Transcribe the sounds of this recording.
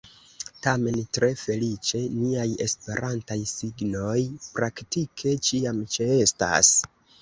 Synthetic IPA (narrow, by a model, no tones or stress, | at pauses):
tame̞ntɾe̞fe̞lit͡ʃe̞niaje̞̰spe̞̰ɾʔantajsiɡno̞jpɾaktikʰe̞t͡ʃiamt͡ʃee̞sta̰s